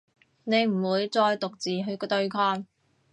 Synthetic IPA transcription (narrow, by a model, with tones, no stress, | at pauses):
ne˨˧jm̩˨˩wuː˨˧jt͡sɔː˧jt̪ʊ˨k̚t͡siː˨ɦɵ˧ɥkːt̪ɵ˧ɥkʰɔː˧n